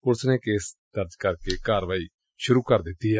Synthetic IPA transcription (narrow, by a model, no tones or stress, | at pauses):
ʊɾsnẽːkeːsd̪əɾd͡ʒkəɾkeːkaːɾʋaːiː | ʃʊɾuːkəɾd̪ɪt̪ːiːɦɛ